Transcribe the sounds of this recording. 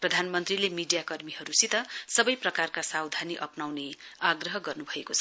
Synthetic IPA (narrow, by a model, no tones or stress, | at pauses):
prʌd̪ʱanmʌnt̪rilemiɖijakʌrmiɦʌɾusit̪ʌsʌbʌjprʌkarkasawd̪ʱaniʔʌpnawneaɡrʌɦʌɡʌrnubʱʌekot͡sʰʌ